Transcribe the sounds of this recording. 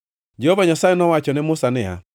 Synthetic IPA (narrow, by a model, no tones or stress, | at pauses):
d͡ʒehovaɲasajɛnɔwat͡ʃɔnɪmʊsanɪa̰